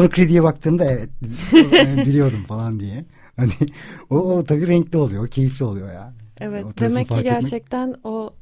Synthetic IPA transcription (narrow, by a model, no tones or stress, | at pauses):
nakʰɾed̪ijɛbak̚t̪ʰɯːmd̪aɛvɛt̪̚ | bilʲijo̞d̪umfalˠand̪ijɛ | hanɪoːt̪ʰabiːɾɛɲclʲio̞lˠujocʰe̞jiflʲio̞lˠujo̞ja̰ːnɛvɛot̪d̪ʰemɛpʰːaiɾɟ̪æɾt͡ʃʰɛc̚t̪ʰæno